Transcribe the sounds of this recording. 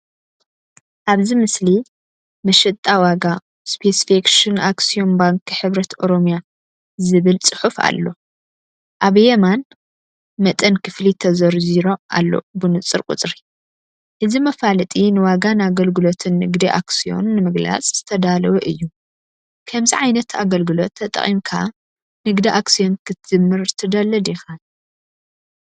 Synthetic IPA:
ʔaβzimɨsli | mɐʃɨt̪ʼawaɡa | spʰesfekʃɨnaksio̞nbaŋkʰiħɨβɾɐt̪ʰo̞ɾo̞mja | zɨβɨlt͡sʼɨħufa̰lːo̞ | ʔaβjeman | mɐt̪ʼɐnkʰɨflit̪ʰɐzɐɾziɾo̞ʔa̰lːo̞̰bɨnɨt͡sʼɨɾkʼṵt͡sʼɾi | ʔɨzimɐfalɨt̪ʼinɨwaɡanɨaɡɐlɡɨlo̞t̪ʰɨnːɨɡd̪iʔa̰ksio̞̰nːɨmɨɡla̰t͡sʼz̥ɨt̪ʰɐd̪alɐwɐʔɨjːu | kʰɐmziʕajnɐt̪a̰ɡɐlɡɨlo̞t̪ʰːɐt̪ʼɐ̰χʼimkʰa | nɨɡd̪iʔaksijo̞nkʰɨt̪ɨmːɨɾt̪ʰɨd̪ɐlɐd̪ixa

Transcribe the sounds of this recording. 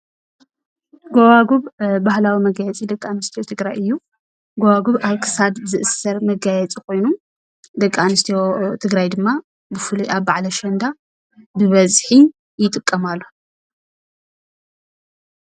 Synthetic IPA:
ɡowaɡuβbahlawimɐɡajɛt͡sʼid̪ɐkʼːanɨst̪ʰijot̪ʰɨɡɾajɨjːu | ɡowaɡuβaβkʰɨ̥sad̪bɨzɨʔɨsɐɾmɐɡajɛt͡sʼikʰo̞jnu | d̪ɐkʼanɨst̪ʰijot̪ʰɨɡɾajd̪ɨmːa | bɨfɨluʔaβbaʕlɐʃɐnd̪a | bɨβɐzħi | jɪt̪ʼɨkʼːɐmalːo

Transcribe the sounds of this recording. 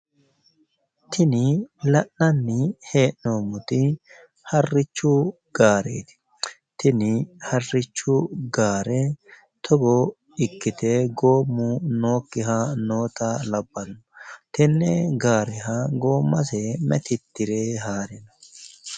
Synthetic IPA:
t̪ʰɪnɪlɐʔnɐnːɪhe̞ːʔnoːmʊt̪ɪ | hɐrːɪt͡ʃːʊ | ɡ̥aːɾḛːt̪ɪ̥ | t̪ɪnɪhɐrːɪt͡ʃːʊɡaːɾɛ | t̪ʰɔɡo | ɪkːɪt̪eːɡo̞ːmːuno̞ːkːɪɦɐno̞ːt̪ɐlɐbːɐnɔt̪ɪnːɛɡaːɾɛɦɐɡo̞ːmːɐsemɛ̰t̪ɪt̪ːɪɾeːɦaːɾɪnɐ̥

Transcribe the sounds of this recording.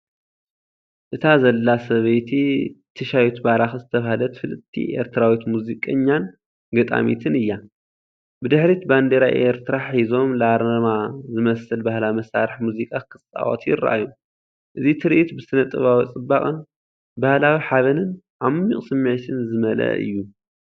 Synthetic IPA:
ʔɨt̪ʰazɐlːasɐβɐjt̪ʰit̪ʰɨʃajut̪baɾaxɨzɨt̪ʰɐβahlɐt̪fɨlɨt̪ʰːḭʔe̞̰ɾt̪ʰɨɾawit̪muzikʼɐɲːan | ɡɐt̪ʼa̰mḭt̪ʰɨnɨjːa | bɨd̪ɨħɾit̪band̪eɾaʔeɾt̪ʰɨɾaħizo̞mlaɾɐmazɨmɐsɨlbahlawimɐsaɾɨħmuzikʼakʰɨsʼa̰ʔʼo̰t̪jɪɾa̰ʔa̰jːu | ʔɨzit̪ʰɨɾiʔit̪bɨsɨnɐt̪ʼːɨβawit͡sʼɨbaχʼɨn | bahlawiħaβɐnɨn | ʕamːiχʼsɨmːʕt̪ʰɨnzɨmɐlɐ̰ɨ̰jːu

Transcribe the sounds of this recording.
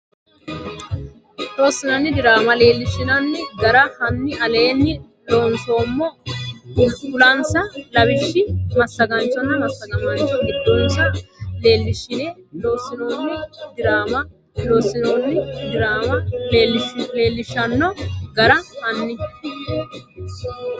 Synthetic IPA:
lo̞ːsːɪnɐnːɪd̪ɪɾaːmɐle̞ːlːɪʃːɪnɐnːɪɡɐɾɐhɐnːɪɐle̞ːnːɪ | lo̞ːnso̞ːmːɔʊlʊlɐnsɐlɐbɪʃːɪmɐsːɐɡɐnt͡ʃːɔnːɐmɐsːɐɡɐmɐnt͡ʃːɔɡɪd̪ːɔnsɐle̞ːlːɪʃːɪnɛlo̞ːsɪno̞ːnːɪd̪ɪɾaːmɐ | loːsːɪno̞ːnːɪd̪ɪɾaːmɐlːlːɪle̞ːlːɪʃːɐnːɔɡɐɾɐhɐnːɪ

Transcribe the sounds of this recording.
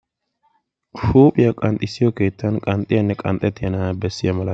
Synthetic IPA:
ʃuːpʼɪjɐkʼɐnt̪ʼɪsːɪjɔke̞ːt̪ːɐnkʼɐnt̪ʼɪjɐnːɛkʼɐnt̪ʼɛt̪ːɪjɐnabɛsːɪjɐmɐlɐ

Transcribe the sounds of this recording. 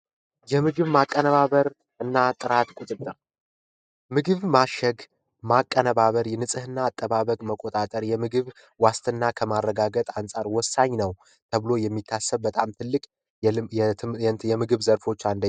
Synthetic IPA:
jɛmɨɡɨβmakʼːənəβaβəɾ | ɨnːat̪ʼɨɾat̪kʼut̪ʼɨt̪ʼːɨɾ | mɨɡɨβmaʃɛɡ | makʼːənəβaβəɾjɛnɨsʼɨhɨnːaːt̪ʼːəβaβəkʼməkʼːot̪ʼat̪ʼəɾjɛmɨɡɨβ | wast̪ʰɨnːakʰəmarːəɡaɡət̪ʼansʼaɾwɔsːaɲnəw | t̪ʰəβɨlo̞jɛmːit̪ʰːasːəβbət̪ʼamt̪ʰɨlːɨkʼ | ɛjɛmɨɡɨβzəɾfo̞t͡ʃːand̪ə

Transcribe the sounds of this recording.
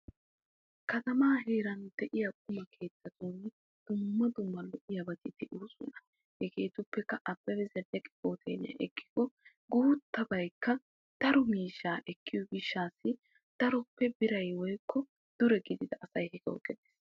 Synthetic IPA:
kɐt̪ɐmaːɦeːɾɐnd̪̥ɛʔɪjɐkʼʊmɐkʰe̞ːt̪ːɐt̪uːn | d̪̥ʊmːɐd̪ʊmːɐlɔʔɪjɐbɐt̪ɪt̪ɪʔuːsʊ̰nɐ | hɛkeːt̪ʊpːɛkːɐʔɐb̥ːɐwɪzɛdɛkʼɪ̥kʼoːt̪ʰɛ̰ːnɪɐ̰ʔɛkːɪ̥ɡɔ | ɡuːt̪ːɐbɐjkːɐ | d̪̥ɐɾɔmiːʃːaːʔɛkʰːɪjɔɡɪʃːaːsːɪ | d̪̥ɐɾɔpːɛbɪɾɐjwɔjkʰːɔ | d̪̥ʊɾɛɡɪd̪ɪd̪ɐʔɐsɐjhɛkɛɔ̰kʼːɛd̪eːs

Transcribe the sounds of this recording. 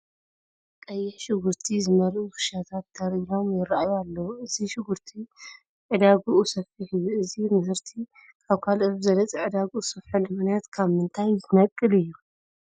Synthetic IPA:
kʼɐjːɛħʃɪɡuɾt̪ʰizɨmɐlʔukʰɨ̥ʃat̪ʰat̪ːɐɾino̞mjɪɾajalːɐwuɨziʃɪɡuɾt̪ʰi | ʕɨd̪aɡuʔusɐfiħɨjːuɨzimɨzɨɾt̪ʰi | kʰaβkʰalʔɨzzɐlɐt͡sʼiʕɨd̪aɡuusɐfħulɨmɨnijat̪kʰaβmɨnt̪ʰajɨnɐkʼːɨlɨjːu

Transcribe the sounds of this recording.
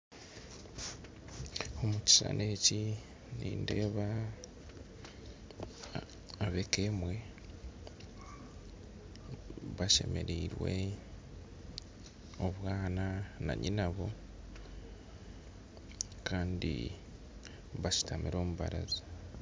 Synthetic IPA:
o̞muci̥sa̰nʔe̞ci | niːnde̞ːβa | βe̞keːmwe̞ | βaʃe̞̰me̞̰ɾiːɾwe̞ | o̞βwaːnana̰ɲinaβo̞ | kaːndḭ | βaʃi̥tamiɾo̞ːmuβa̰ɾazi

